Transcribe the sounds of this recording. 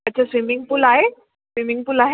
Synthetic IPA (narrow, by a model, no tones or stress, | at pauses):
ɐtːɕʰasʋimiŋɡpulaɦe | sʋimiŋɡpulaɦe